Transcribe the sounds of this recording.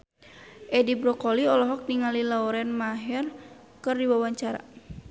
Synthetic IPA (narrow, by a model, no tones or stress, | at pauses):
ʔɛdibɾɔkɔliɔlɔɦɔk̚niŋalilaɔɾɛnmaɦɛr | kɨrdiwawaɲt͡ʃaɾa̰